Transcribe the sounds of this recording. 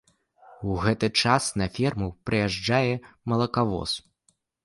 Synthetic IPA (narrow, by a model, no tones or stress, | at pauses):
uɣɛt̪ɨt͡ʂasnɐfʲɛrmupɾɨjaʐd͡ʐajɛmɐlˠɐkavɔ̰s